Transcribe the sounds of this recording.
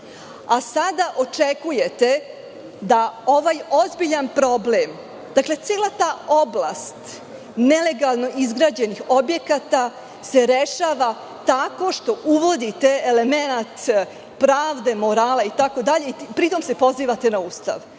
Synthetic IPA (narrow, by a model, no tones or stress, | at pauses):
asad̪aʔo̞t͡ʂekujet̪e̞ | d̪ao̞ʋaːjo̞zbiʎanpɾo̞blem | d̪̥akle̞t̪seːlˠat̪aːo̞bla̰st̪ | nele̞ɡalˠno̞ʔizɡɾad͡ʑenixo̞bje̞kat̪a | se̞ɾeʃaːʋa | t̪ako̞ʃt̪o̞ʔuʋo̞d̪it̪e̞ːle̞me̞nat̪ | pɾaːʋd̪e̞mo̞ɾaːlait̪ako̞d̪aʎe̞ipɾit̪o̞mse̞po̞ziːʋat̪e̞nauːst̪a̰ʋ